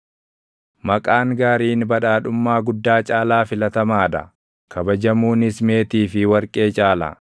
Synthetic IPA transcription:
mɐkʼaːŋɡaːɾiːnbɐᶑaːɗʊmːaːɡʊd̪ːaːt͡ʃʼaːlaːfɪlɐt̪ɐmaːᶑɐ̰ | kʰɐbɐd͡ʒɐmuːnɪsme̞ːt̪iːfɪwɐɾkʼe̞ːt͡ʃʼaːlɐ̰

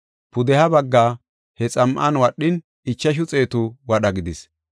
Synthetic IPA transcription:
pʊd̪ɛhɐbɐɡːaː | hɛt͡sʼɐmʔɐnwɐɗːɪn | ɪt͡ʃːɐʃ̬ʊt͡sʼe̞ːt̪ʊwɐɗɐɡɪd̪ɪs

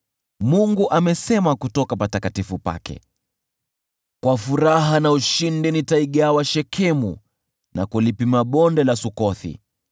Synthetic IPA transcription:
muŋɡuʔamɛsɛmakutɔkapatakatifupa̰kɛ̰ | kwafuɾaɦanauʃindinitaiɠawaʃɛkʰɛmṵ | na̰kulipimaɓɔndɛlasukɔθḭ

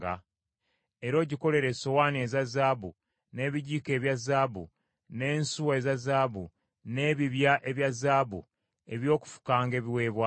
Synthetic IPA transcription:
ɡa̰ | e̞ɾo̞ɟiko̞le̞ɾe̞so̞waːnie̞zazaːβu | ne̞ːβiɟiːke̞ːβjazaːβṵ | ne̞ːnsuwaezazaːβu | ne̞ːβiβjaʔe̞βjazaːβṵ | e̞βjo̞ːku̥fu̥kaːŋɡe̞ːβiwe̞ːβwa

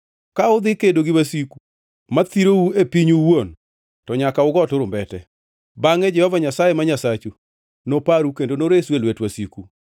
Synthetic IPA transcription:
kaʊd̪ɪkedoɡɪwasiku | mat̪iɾouepiɲuwon | tɔɲakaʊɡɔtʊɾʊmbɛtɛ̰ | baŋɛd͡ʒɛhɔvaɲasajemaɲasat͡ʃu | nopaɾukendonoɾeswelwetwasiku

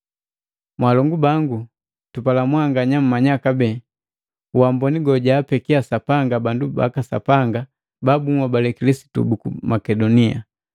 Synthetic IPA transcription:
mwalɔŋɡubaŋɡu | tupalamwaŋɡaɲam̩mːaɲakabɛ | uwambɔniɡɔɟaːpɛkiasapaŋɡabanduba̰kasa̰paŋɡa | babuŋwabalɛkilisi̥tṵbukumakɛdɔnia̰

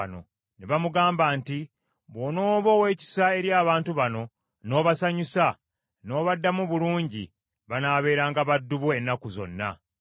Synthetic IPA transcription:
no̞̰ | neβamuɡaːmbaːnti | βono̞ːβo̞we̞ːci̥sae̞ɾjaːβaːntuβano̞ | no̞ːβasaɲusa | no̞ːβadːamuβuluːɲɟḭ | βanaːβe̞ːɾaːŋɡaβadːuβue̞nːakuzo̞̰nːa̰

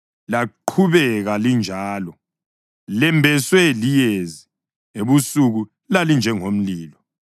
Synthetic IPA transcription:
laǃʰuβɛɣalind͡ʒʱaːlɔ | lɛmbʱɛswɛlijezi | eβusuɣu | lalind͡ʒʱɛŋom̩liːlɔ

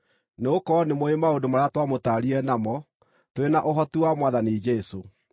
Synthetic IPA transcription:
neokɔnemoemaondomaɾeatwamotaɾiɛnamɔ | twenaʔoɦɔtuwamwaðanid͡ʒɛso

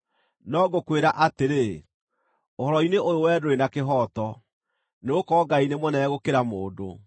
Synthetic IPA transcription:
nɔːɡokweɾaʔateɾe | oɦɔɾɔineʔoɾowɛːdoɾenakeɦɔːtɔ | neokɔːɡainemwɔnɛɛɣokeɾamoːdo

